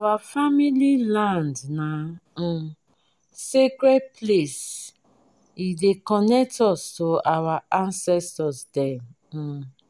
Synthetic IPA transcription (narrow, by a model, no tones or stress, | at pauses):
awafamililãndna | sekɾed̚ples | idekɔnɛk̚tɔstoawaãnsɛstɔsdɛm̩